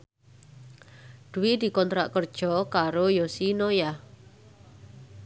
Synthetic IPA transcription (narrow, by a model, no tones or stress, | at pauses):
d̪̥uwid̪̥i̤kɔnt̪ɾa̰ʔkərd̥ʒ̥ɔkaɾojosinoja